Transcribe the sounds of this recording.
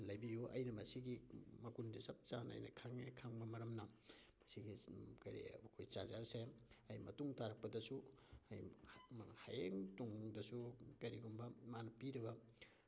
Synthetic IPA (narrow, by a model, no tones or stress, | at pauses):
lɐjbijoʔɐ̰jnɐmɐsiɡimɐkundisɐp̚t͡ʃanɐ̰jnɐkʰaŋekʰaŋbɐmɐɾɐmnɐmɐsiɡikɐɾḭkʰojt͡ʃazaɾseɐjmɐtuŋtaɾɐk̚pɐdɐsuɐj | hajeŋtuŋdɐsukɐɾiɡumbɐmanɐpiɾɐβɐ